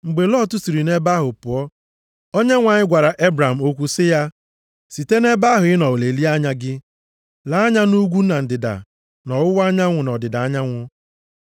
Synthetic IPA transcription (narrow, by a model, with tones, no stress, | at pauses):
ŋ͡m̩˨ɡ͡be˨lɔː˦˨tu˦si˨ɾi˨ne˦ba˦ɦʊ˨pʊ˨ɔ˦ | o˦ɲe˦ŋʷa˨ɲɪ˦ɡʷa˨ɾa˨ʔe˦bɾa˨m̩˨o˦kʷu˦sɪ˦ja˦ | si˨te˦ne˦ba˦ɦʊ˨ɪ˦nɔ˨wle˨li˦a˦ɲa˦ɡɪ˦ | la˨a˦ɲa˦nu˦ɡʷu˦na˨n̩˨dɪ˨da̰˨ | nɔ˨wʊ˦wa˦ɲa˦ŋʷʊ˨nɔ˨dɪ˨da˨a˦ɲa˦ŋʷʊ˦